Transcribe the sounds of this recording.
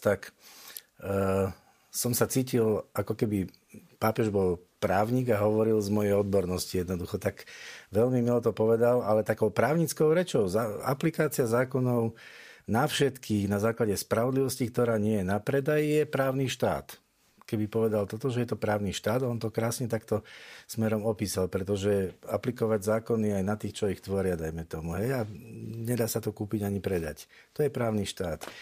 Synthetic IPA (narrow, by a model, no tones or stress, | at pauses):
t̪ak | sɔmsat͡siːcilʔakɔkɛbi | paːpɛʒbɔlpɾaːʊɲiːɡaɦɔʋɔɾilzmɔjɛjɔd̪bɔɾnɔscijɛd̪nɔd̪uxɔt̪aɡʋɛʎmimilɔt̪ɔpɔʋɛd̪alalɛt̪akɔʊpɾaːʊɲit͡skɔʊɾɛt͡ʃɔʊza̰plikaːt͡siazaːkɔnɔʊnafʃɛt̪kʰiːɣnazaːklaɟɛspɾaʋɔd̪liʋɔscikt̪ɔɾaːɲɪɛjɛnapɾɛd̪ajijɛpɾaːʊniʃt̪a̰ːt̪ | kɛbipɔʋɛd̪alt̪ɔt̪ɔʒɛjɛt̪ɔpɾaːʊniʃt̪aːd̪ɔnt̪ɔkɾaːsɲɛt̪akt̪ɔsmɛɾɔmɔpiːsalpɾɛt̪ɔʒɛaplikɔʋaɟzaːkɔniajnat̪iːxt͡ʃɔixt̪ʋɔɾɪad̪ajmɛt̪ɔmuɦɛjaɲɛd̪aːsat̪ɔkuːpiɟaɲipɾɛd̪a̰c | t̪ɔjɛpɾaːʊniʃt̪aːt̪